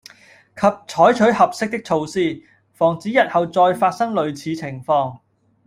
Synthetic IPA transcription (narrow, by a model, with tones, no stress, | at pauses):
kʰɐ˨p̚t͡sʰɔː˨˥jt͡ʃʰɵ˨˥ɥhɐ˨p̚sɪ˥k̚t̪ɪ˥k̚t͡sʰo˧wsiː˥˩ | fɔː˨˩ŋt͡siː˨˥jɐ˨t̚hɐ˨wt͡sɔː˧jfaː˧t̚sɐ˥ŋlɵ˨˧ɥt͡sʰiː˨˧t͡sʰɪ˨˩ŋfɔː˧ŋ